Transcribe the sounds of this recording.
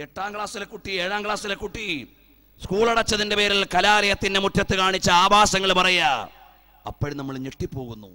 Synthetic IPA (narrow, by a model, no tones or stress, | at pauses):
eʈːaːmkɭaːsilekːuʈːieːɻaːmkɭaːsilekːuʈːi | skuːɭɐɽɐt͡ɕːɐðindepe̞ːɾilkɐlaːɾɐjɐt̪ːindemutʰːjɐt̪ːɨkaːɳit͡ɕːɐaːbaːsɐŋːɐɭpɐrɐjɐ | ɐ̰pːɐːɽnɐmːɐɭɲeʈːipːo̞ːɣunːṵ